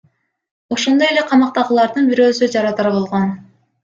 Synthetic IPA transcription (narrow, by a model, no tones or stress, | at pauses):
o̞ʃond̪o̞je̞le̞qʰɑmɑq̚t̪ɑʁɯlˠɑɾd̪ɯnbiɾø̞ːsyd͡ʒɑɾɑt̪ɑɾbo̞lˠʁo̞n